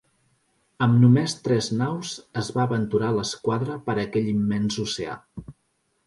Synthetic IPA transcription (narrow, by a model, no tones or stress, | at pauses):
əmnumest̪ɾɛznawzəzβaəβənt̪uɾaləskwaðɾəpəɾəkɛʎimːɛnsusea̰